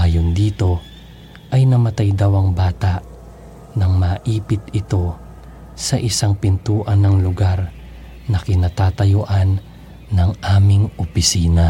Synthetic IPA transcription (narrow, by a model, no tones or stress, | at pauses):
ʔaːjond̪iːt̪o̞ | ʔɐjnɐmɐt̪ajd̪awɐŋbaːt̪aʔ | nɐŋmɐʔiːpɪt̪ɪt̪o̞ | sɐʔɪsaŋpɪnt̪uːʔɐnɐŋlʊɡaɾ | nɐkɪnaːt̪aːt̪ɐjʊʔanː | ɐŋaːmɪŋʔopɪsiːnɐ